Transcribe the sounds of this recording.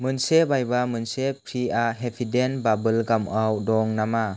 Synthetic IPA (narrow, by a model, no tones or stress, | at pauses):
mɯnsebajbamɯnsepʰɾiaɦepʰidenbabɯlɡamawdɔŋnama